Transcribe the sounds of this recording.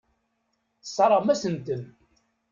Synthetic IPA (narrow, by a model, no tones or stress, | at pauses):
θsˤːɑɾˤəʁmæsənt̪ən